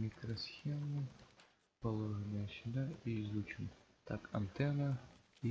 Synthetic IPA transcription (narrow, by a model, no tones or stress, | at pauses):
mʲikɾɔsʲxʲɛmu | pɐlˠɔʐɨnɐjɐɕinaizut͡ʃʊm | t̪akʰɐnt̪ɛnɐi